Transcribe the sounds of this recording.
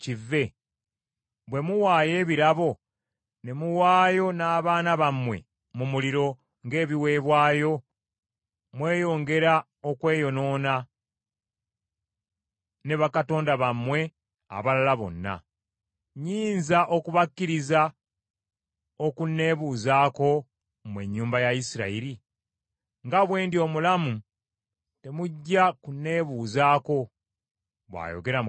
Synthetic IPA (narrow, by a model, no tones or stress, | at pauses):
civːe̞ | βwe̞muwaːje̞ːβiɾaβo̞ | ne̞muwaːjo̞naːβaːnaβamwe̞̰ | mumuliɾo̞ | ŋɡe̞ːβiwe̞ːβwaːjo̞ | mwe̞ːjo̞ːŋɡe̞ɾa | okwe̞ːjo̞no̞ːna | ne̞βakato̞ːndaβamwe̞ | a̰βalalaβo̞̰nːa̰ | ɲiːnzaʔo̞kuβakːiɾiza | okunːe̞βuːzaːko̞ | mwe̞ɲːuːmbajaisiɾaiɾi | ŋɡaβwe̞ːndio̞mulamu | te̞muɟːakunːe̞βuːzaːko̞ | βwa̰ːjo̞̰ɡe̞ɾa